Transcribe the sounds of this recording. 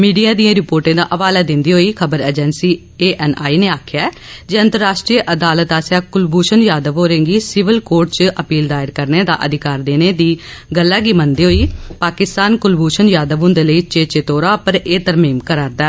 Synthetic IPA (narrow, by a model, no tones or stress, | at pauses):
miːɖijaːd̪ijãːɾɪpoːɾʈẽːd̪aːʔəʋaːlaːd̪ɪnd̪iːɦoːiːkʰəbəɾɛːd͡ʒɛnsiː | eːʔɛːnaːiːneːaːkʰjaː | d͡ʒeːə̃nt̪əɾːaːʃʈɾiːʔəd̪aːlət̪aːsjãːkʊlbuːʃənjaːd̪əʋoːɾẽːŋɡiːsɪʋəlkoːɾʈt͡ʃʔəpiːld̪aːɪɾkəɾneːd̪a̰ːʔəd̪ɪkaːɾd̪eːneːd̪iːɡəlːãːɡiːmənd̪iːɦoːiːpaːkɪst̪aːnkʊlbuːʃənjaːd̪əʋõːnd̪eːləiːt͡ʃeːt͡ʃet̪oːɾaːpəɾeːt̪əɾmiːmkəɾaːɾd̪aː